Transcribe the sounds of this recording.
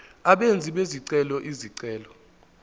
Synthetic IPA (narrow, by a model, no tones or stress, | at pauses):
aɓend͡zʱiɓeziǀɛlɔʔiziǀɛːlɔ